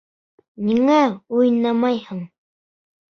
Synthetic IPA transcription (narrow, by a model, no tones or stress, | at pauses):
niŋæujnɑmɑjhɤɴ